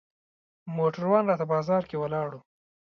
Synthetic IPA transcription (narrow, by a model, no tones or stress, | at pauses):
moʈaɾwɑnɾɑt̪abɑzɑɾkewəlɑɽu